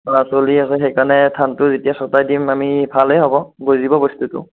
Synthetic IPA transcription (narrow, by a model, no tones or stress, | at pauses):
asoliasɛxɛjkanɛtʰantʊzetijasɔtajdimamibʱalɦejɦɔbɔɡojzibɔbɔstutʊ̰